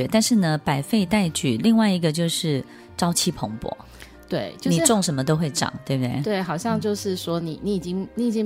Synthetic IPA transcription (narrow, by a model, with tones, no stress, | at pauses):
ɛ˧˥t̪a˥˧nʂɻ̩˥˩nə˨pa˨˩ɪfe˥˧ɪt̪a˥˧˩ɪt͡ɕy˨˩li˥˧ŋwa˥˩ɪi˧˥ɡə˧t͡ɕjo˥˧ʊʂɻ̩˥˩ | ʈ͡ʂɑ˥ʊt͡ɕʰi˥pʰo˧˥ŋpwɔ̰˧˥˦ | t̪we˥˩ɪo˥nni˨˩ʈ͡ʂʊ˥˩ŋʂə˧˥nmə˧t̪̬o˥ʊxwe˥˩ɪʈ͡ʂɑ̰˨˩˦ŋt̪we˥˩ɪb̚t̪e˥˩ɪt̪we˥˩ɪxɑ˨˩ʊɕjɑ˥˧ŋt͡ɕjo˥˧ʊʂɻ̩˥˩ʂwɔ˥ni˨˩ni˧˥i˨˩t͡ɕi˥ŋni˧˥i˨˩t͡ɕi˦˥ŋ